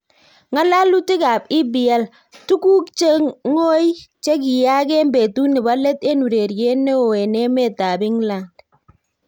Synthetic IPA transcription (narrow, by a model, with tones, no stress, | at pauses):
ŋa˦la˦lu˦ti˦ka˨pɪ˦bɪ˨a˦l | tu˦ku˦kt͡ʃe˦ŋo˦i˦t͡ʃe˦k̬i˨ja˦ke˦mbe˨tu˦nɪ˨ba˦lɛ˦te˦nu˨ɾe˨ɾje˦ne˦o˨ɛ˨ne˦mɛ˦˨ta˨bɪ˦ŋla˨nd